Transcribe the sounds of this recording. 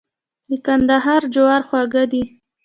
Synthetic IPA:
d̪əkand̪aɦɑɾd͡ʒawaɾxwaɡad̪i

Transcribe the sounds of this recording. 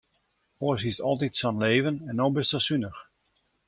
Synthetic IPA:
oəsistɔlˠtitsɔnleːvənɛnobɪstəsynəx

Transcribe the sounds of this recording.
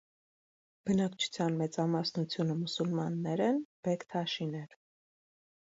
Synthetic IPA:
b̥ənɑkt͡ʃʰu̥t͡sʰjɑnmɛt͡sɑmɑsnut͡sʰjunəmusulmɑnːɛɾɛnb̥ɛkt̪ʰɑʃinɛɾ

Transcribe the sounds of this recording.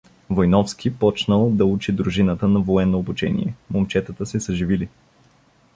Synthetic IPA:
vojnɔfskʰʲipɔt͡ʃnəlˠd̪ɐut͡ʃid̪ɾuʒinət̪ənɐvoɛnːoːbut͡ʃɛ̰nḭɛmomt͡ʃɛt̪ət̪əsɛsɐʒivili

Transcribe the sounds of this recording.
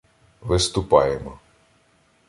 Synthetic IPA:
ʋɪst̪ʊpɑjɛmɔ

